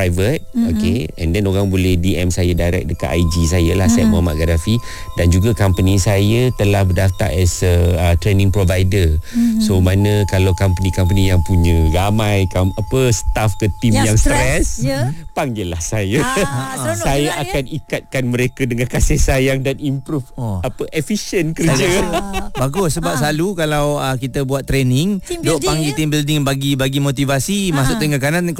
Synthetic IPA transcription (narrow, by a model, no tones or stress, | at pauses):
ajvət̪̚okeɛ̰̃ndɛnoɾaŋbolɛhdiɛmsajadajɾɛ̰k̚dəka̰ʔajd͡ʒis̬ajəlahsɛt̪̚muamaʔɡaɾafi | dand͡ʒuɡakampənisajət̪əlahbədaft̪a̰ʔɛsəət̪ɾenɪ̃ŋpɾovajdəsomãnə̃kalawkampənikamp̬ənijaŋpuɲə̃ramãjkamapəsə̥t̪afkət̪imjaŋst̪ɾɛspaŋɡila̰hsajə | sajaʔakanikat̪̚kanməɾekadəŋankasɪhsajaŋdanimpɾufapəʔefiʃənkəd͡ʒəbaɡʊsəbap̚salukalawəkit̪əbuat̪ːɾenɪŋdooʔpaŋɡit̪imbildɪŋbaɡibaɡimot̪ivasimasʊʔt̪əŋakanan